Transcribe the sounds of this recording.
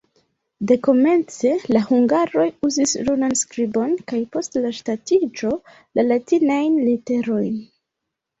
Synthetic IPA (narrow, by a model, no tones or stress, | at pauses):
de̞ko̞me̞nt͡se̞lahuŋɡaɾo̞juzislunanskɾibo̞nkajpo̞stlaʃtatid͡ʒo̞ | lalatinajnlite̞ɾo̞jn